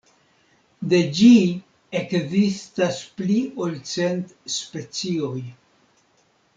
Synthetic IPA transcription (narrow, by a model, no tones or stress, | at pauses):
d̪e̞d͡ʒi | ekzistaspliolt͡se̞ntspe̞t͡sio̞j